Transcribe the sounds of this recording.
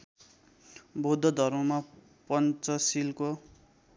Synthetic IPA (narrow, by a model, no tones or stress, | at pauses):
bod̪ʱːʌd̪ʱʌrmʌma | pʌnt͡sʌsilko